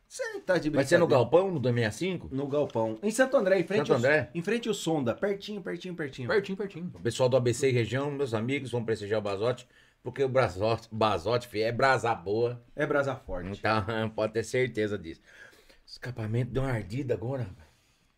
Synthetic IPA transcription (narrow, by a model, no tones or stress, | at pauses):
set̪ad͡ʒɪbvajsenʊɡawpɐ̃w̃nʊd̪ojmĩasĩkʊnʊɡawpɐ̃w̃ẽsɐ̃t̪ʊɐ̃d̪ɾɛẽfɾẽstt͡ʃ̪ɐ̃nd̪ɾɛẽfɾẽnt͡ʃɪʊsõnd̪ɐpɛɾt͡ʃĩɲʊpeɾt͡ʃĩɲʊpeɾt͡ʃĩɲʊpeɾt͡ʃĩɲʊpeɾt͡ʃĩɲʊpesuawd̪ʊabeseɪɦeʒiɐ̃w̃mewzamiɡʊzvɐ̃w̃pɾest̪iʒiaʊbazɔt͡ʃɪ̥ | poɾkeʊbazɔbazɔt͡ʃɪ̥fiɛbɾazaboɐɛbɾazafɔɾt͡ʃt͡ʃẽɪt̪ɐ̃w̃pɔd̪ɪt̪eɾseɾt̪ezɐd̪isʊ̥ | skapamẽnt̪ʊd̪ẽũw̃aɾd͡ʒ̪id̪aɡɔɾɐ